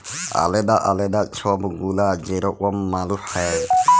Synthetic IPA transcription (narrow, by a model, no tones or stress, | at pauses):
a̰lɛd̪aʔalɛd̪at͡ʃʰɔbɡulad͡ʒɛɾɔʔwɔmːaluħɛ